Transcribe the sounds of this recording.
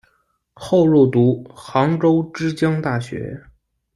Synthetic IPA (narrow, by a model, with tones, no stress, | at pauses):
xo˥˧ʊɻu˥˩t̪u˧˥xɑ˧˥ŋʈ͡ʂo˥ʊʈ͡ʂɻ̩˥t͡ɕjɑ˥ŋt̪a˥˩ɕɥɛ̰˧˥